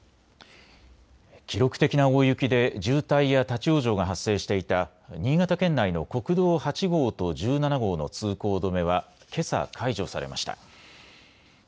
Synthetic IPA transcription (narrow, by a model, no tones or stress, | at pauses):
kʲiɾo̞kɯ̥t̪e̞kʲinaoːjɯ̟kʲid̪e̞ʑɨːt̪aijat̪at͡ɕio̞ːʑo̞ːɡaɦasːe̞ːɕi̥t̪e̞it̪a | ɲ̟iːɡat̪akẽ̞nːaino̞ko̞kɯ̟d̪o̞ːhat͡ɕiɡo̞ːt̪o̞ʑɨːnanaɡo̞ːno̞̰t͡sɨːko̞ːd̪o̞me̞β̞a | kʰe̞sa̰kʰaiʑo̞sa̰ɾe̞ma̰ɕi̥t̪a̰